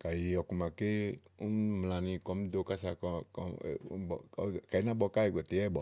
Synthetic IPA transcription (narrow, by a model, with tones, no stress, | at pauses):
ka˨ji˨ɔ˨ku˨ma˨ke˦u˦nm˨la˨nĩ˧kɔ˨˦m˦d̪o˧ka˦sa˧˨kɔ˧ɔ̰˨ṵ˦bɔ̰˨˦˨ka˨i˦nã˦bɔ˧ka˦i˨ɡɛ˨t̪e˨˦ɛ˦bɔ˨